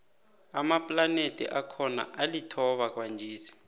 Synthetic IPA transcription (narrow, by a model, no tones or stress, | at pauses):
amapʼlanetʼḭʔakʰɔna̰ʔalitʰɔɓak̬ʼwand͡ʒʱiːsi̥